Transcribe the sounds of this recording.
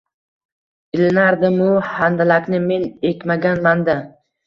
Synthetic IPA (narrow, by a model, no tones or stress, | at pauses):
ɪlɪnaɾd̪ɪmʊhand̪alakʲnɪme̞nekʲmaɡʲanmand̪a